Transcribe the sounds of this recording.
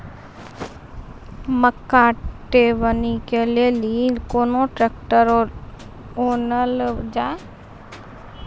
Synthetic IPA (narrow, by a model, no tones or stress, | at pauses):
məkːaʈeʋənikelelikoːnõʈɾek̚ʈəɾ | oːnəld͡ʒae